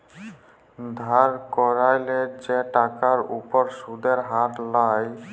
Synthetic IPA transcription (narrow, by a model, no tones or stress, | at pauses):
d̪ʱaɾkɔɾajled͡ʑeʈakaɾupɔɾʃud̪eɾɦat̪laj